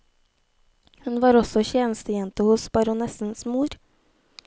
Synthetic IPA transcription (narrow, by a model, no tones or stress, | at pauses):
hʉnʋɑːɾɔsɔçeːnəst̪əjɛnt̪əhʊsbɑɾʊnɛsn̩smuːɾ